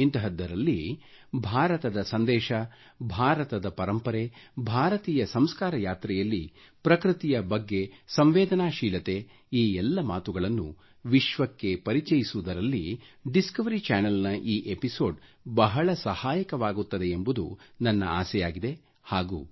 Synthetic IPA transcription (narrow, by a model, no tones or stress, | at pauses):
int̪ɐɦɐd̪ːɐɾɐlːi | bʱaːɾɐt̪ɐd̪ɐsɐnd̪ɛːʃɐ | bʱaːɾɐt̪ɐd̪ɐpɐɾɐmpɐɾebʱaːɾɐt̪iːjɐsɐmskaːɾɐjaːt̪ɾɛjɐlːi | pɾɐkɾit̪ijɐbɐɡːe̞sɐmʋeːd̪ɐnaːʃiːlɐt̪e̞ | iːɛlːɐmaːt̪uɡɐɭɐnːu | ʋiʃʋɐkːe̞pɐɾit͡ʃɐjisuud̪ɐɾɐlːḭɖiskɐʋɐɾit͡ʃaːnɐlnɐʔiːʔepiso̞ːɖ | bɐɦɐɭɐsɐhaːjɐkɐʋaːɡut̪ːɐd̪e̞embud̪unɐnːɐ̰a̰ːsɛjaːɡid̪e̞ | haːɡṵ